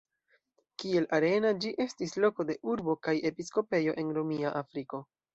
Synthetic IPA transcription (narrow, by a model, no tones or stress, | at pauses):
kie̞laɾe̞nad͡ʒiʔe̞stislo̞ko̞de̞ʔuɾbo̞kaje̞pisko̞pe̞jo̞ʔe̞nɾomiaʔafɾiko̞